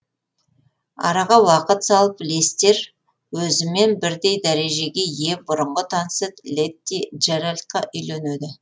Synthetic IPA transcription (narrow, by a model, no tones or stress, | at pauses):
ɑ̰ɾɑʁɑwɑqət̪sɑlˠəplest̪e̞ɾ | wɵzɪme̞nbɪɾd̪e̞jd̪æɾe̞ʒe̞ɡʲe̞je̞bʊɾəɴʁət̪ʰɑnset̪lʲet̪ːiʒeɾalʲt̪̚qɑʔʏjlened̪ɪ